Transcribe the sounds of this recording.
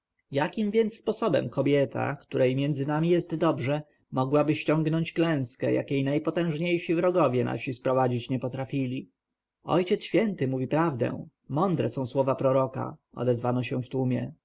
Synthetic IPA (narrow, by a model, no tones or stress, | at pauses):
jakʲimvʲjɛnt̪sːpɔsɔbɛ̰mkɔbʲjɛt̪ʰa̰kt̪uɾɛjmʲjɛnd̪zɘnamʲijɛst̪d̪ɔbʐɛ | mɔɡwabɘɕt͡ɕɔŋɡnɔɲt͡ɕklɛ̃w̃skɛja̰kʲejnajpɔt̪ɛ̃w̃ʐɲejʂivɾɔɡɔvʲjɛna̰ɕispɾɔvad͡ʑit͡ɕɲɛpɔt̪ɾafʲilʲi | ɔ̰jt͡ɕɛt̪ɕʲfʲjɛnt̪ɘmuvʲipɾavd̪ɛ̰̃w̃ | mɔnd̪ɾɛsɔ̃w̃swɔvapɾɔɾɔka̰ɔ̰d̪ɛzvanɔɕɛ̃ft̪umʲjɛ